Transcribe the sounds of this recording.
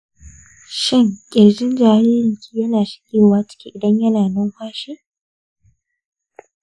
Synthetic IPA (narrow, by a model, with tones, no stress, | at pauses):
ʃɪ˦ŋkʲʼɪ˨ɾd͡ʒɪ˦nd͡ʒaː˨ɾiː˦lɾɪ˨ŋkʲʰiː˦jɐ˦naː˨ʃɪ̥˦kʲʼeː˦˨waː˦t͡ʃɪ̥˦kʲi˦ʔɪ˨dɐ˦ɲjɐ˦naː˨nʊ˦ŋhʷaː˦ʃiː˦